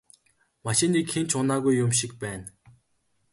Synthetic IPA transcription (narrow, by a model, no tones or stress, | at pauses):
maʃĭniːkxent͡ɕʊnaːɣujːʊmʃikpæːn